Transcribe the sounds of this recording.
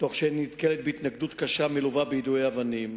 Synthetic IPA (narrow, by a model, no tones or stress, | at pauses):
t̪o̞χʃinit̪kelet̪̚beit̪naɡd̪ut̪kaʃameluvabejid̪uejavanim